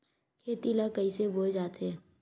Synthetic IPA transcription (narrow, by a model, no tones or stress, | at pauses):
kʰeːt̪ilakəiseboːd͡ʒaːt̪ɛː